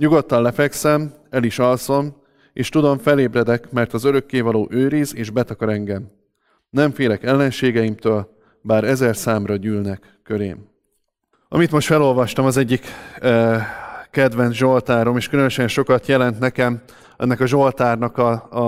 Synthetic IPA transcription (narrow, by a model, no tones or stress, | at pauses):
ɲuɡo̞t̪ːɒnlɛfɛksɛm | ɛliʃɒlso̞m | eːʃt̪ud̪o̞ɱfɛleːbrɛd̪ɛkmɛrt̪ɒzøɾø̞kːeːvɒloːʔøːɾizeːʒbɛt̪ɒkɒɾɛŋɡɛm | nɛɱfeːlɛkɛlːɛnʃeːɡɛjimt̪øːl | baːɾɛzɛrsaːmrɒɟyːlnɛkːøɾḛːm | ɒ̰mit̪moʃt̪fɛlo̞lvɒʃt̪ɒmɒzɛɟːik | kɛd̪vɛnsʒo̞lt̪aːɾo̞meːʃkylø̞nøʃɛnʃo̞kɒt̪jɛlɛnt̪nɛkɛm | ɛ̰nːɛkɒʒo̞lt̪aːrnɒkɒ